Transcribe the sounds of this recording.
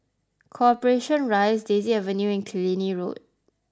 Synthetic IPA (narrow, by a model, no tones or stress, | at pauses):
kʰɔpəɹeʃɔ̃nɹaɪsdeziɛvə̃njuɛ̃nkʰiliniɹot̚